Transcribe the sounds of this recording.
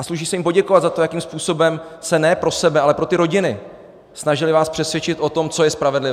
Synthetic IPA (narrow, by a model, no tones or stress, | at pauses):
ʔasluʃiːsɛjɪmpo̞ɟɛkovatd̪zat̪ojakiːmspuːso̞bɛmsɛnɛːpɾo̞sɛbɛalɛpɾo̞t̪ɪɾo̞ɟɪnɪ | snaʒɪlɪvaːspr̥ɛsvjɛt͡ʃɪt̪ʔo̞t̪o̞mt͡so̞jɛspɾavɛdlɪv